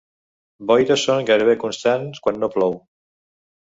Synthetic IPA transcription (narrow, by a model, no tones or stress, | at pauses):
bɔjðəsoŋɣajɾəβekunst̪anskwanːoplɔw